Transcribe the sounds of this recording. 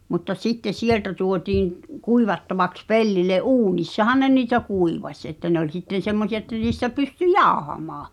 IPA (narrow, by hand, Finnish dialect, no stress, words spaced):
mutːɑ sitːes sieltæ tuotiːŋ k̆ kuiʋɑtːɑʋɑks pelːile ʔuːnisːɑhɑn ne niːtæ kuiʋɑsʲ ĕtːæ ne olʲ sitːen̞ semːosiɑ etːæ niːstæ pysty jɑohɑmɑː